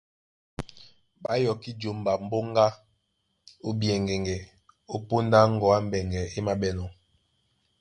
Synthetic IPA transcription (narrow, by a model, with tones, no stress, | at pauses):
ɓa˦jɔ˨ki˦d͡ʒo˨m˨ba˨m̩˦bo˦ŋ˦ɡa˦ | o˦bjɛ˨ŋɡɛ˨ŋɡɛ˨ | o˦po˦nda˦ŋ̩˦ɡɔ˨a˦m˦bɛ˨ŋɡɛ˨e˦ma˨bɛ˦nɔ˨